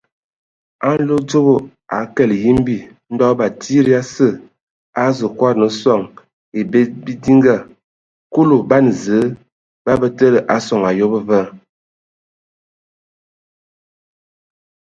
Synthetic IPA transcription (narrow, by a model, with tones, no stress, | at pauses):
a˦n˦lo˦d͡ʒo˦bo˨ | a̰˨˦kɛ˦˨lji˦m˦bi˦˨ | n̩˦dɔ˦ba˨tʰi˦ɾi˦a˦sə˦˨ | a˨˦zə˨kwa˦ɾnə˨˦sɔ˦˨ŋ | e˨be˦bi˦di˦ŋɡa˦˨ | ko˦lo˨ba˦n˨zə˨˦ | ba˦bə˦tə˦lə˨ʔa˨sɔ˨ŋa˨jo˦bə˦və˦